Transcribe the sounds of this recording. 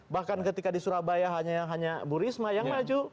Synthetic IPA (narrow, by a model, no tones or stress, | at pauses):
bahkankət̪ikadisuɾabajaɦaɲaɦaɲabuɾismajaŋmad͡ʒu